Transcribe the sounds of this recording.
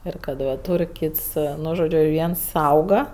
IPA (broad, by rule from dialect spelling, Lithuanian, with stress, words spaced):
ˈɪr kɐt ˈʋɐ ˈtuːrʲ ˈkʲiːts ˈnʊ ʒoːˈd͡ʒʲʊ ˈʋʲiɛns ˈsɐʊɡɐ